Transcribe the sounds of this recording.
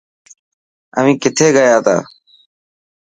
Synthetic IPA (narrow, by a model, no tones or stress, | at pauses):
əʋ̤ĩːkɪt̪ʰeːɡəjaːt̪ʰa̰ː